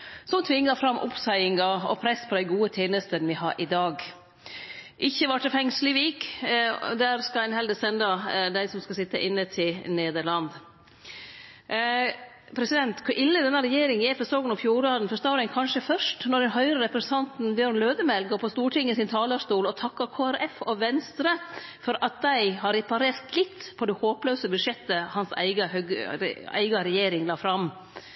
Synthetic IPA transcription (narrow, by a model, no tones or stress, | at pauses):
sɔmt̪ʰʋɪŋːɑfɾɑmːʔʊ̰psæɪɪŋɑɔ̰pʰɾɛspʰɔd̪æɪɡuːət̪ʰeːnəst̪ənʋɪhɑ̰ːɾʔɪd̪ɑːɡ | ʔɪçːəʋɑʈʰəfɛŋslɪʋiːk | d̪æɾskɑæɪnɦɛld̪əsɛnd̪ɑd̪æɪsɔmskɑsɪt̪ːə̰ʔɪnːət̪ʰɪlneːd̪əɭɑnd̪ | pʰɾɛsɪd̪ɛnt̪kʰʉʔɪlːəd̪ɛnːəɾɛjeːɾɪŋɛfɔsoːɡənɔfjuːɾɑd̪n̩fœst̪ɑoːɾəŋkʰɑnʂəfœʂʈnɔɖɛnɦœʏɾəɾɛpɾɛsn̩t̪ʰɑnt̪n̩bjøɾnløːd̪əmɛlɡoːpʰɔst̪uːʈʰɪŋːəsɪnt̪ʰɑːləʂt̪uːlɔt̪ʰɑkːɑkʰoːæɾɛfɔʋɛnst̪ɾəfɔɾʔɑt̪̚d̪æɪhɑɾɛpɑɾeːɾt̪lɪt̪ːpʰɔd̪ɛhoːpløːsəbʉd̪ʂɛt̪ːəhɑnsæ̰ɪɡəhøɡæ̰ɪɡɑɾɛjeːɾɪŋlɑːfɾɑm